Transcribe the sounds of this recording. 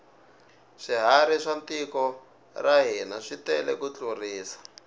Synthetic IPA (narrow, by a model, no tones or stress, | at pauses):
ʂiɦaɾiʂant̪ikɔ | raɦinaʂitɛlɛ̰kut͡ɬuriːsḁ